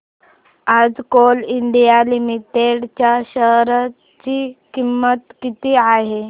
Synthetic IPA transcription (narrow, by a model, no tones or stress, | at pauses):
ad͡zkoliɳɖijalimiʈeɽt͡ɕjaɕəɦɾa | t͡ɕikimːət̪kit̪iːaɦe